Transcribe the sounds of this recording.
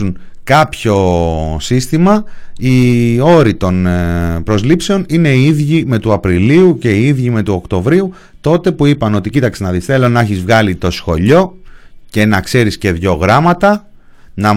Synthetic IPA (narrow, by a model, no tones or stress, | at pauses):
un | kɐpço̞sist̪imɐio̞ɾit̪o̞npɾo̞zlipse̞o̞nine̞iiðʝime̞t̪uɐpɾiliuce̞iiðʝime̞t̪uo̞kt̪o̞vɾiu | t̪o̞t̪e̞puipɐno̞t̪icit̪ɐksinɐðisθe̞lo̞nɐçizvɣɐlit̪o̞sxo̞ʎo̞ce̞nɐkse̞ɾisce̞ðʝo̞ɣɾɐmɐt̪ɐ | nɐ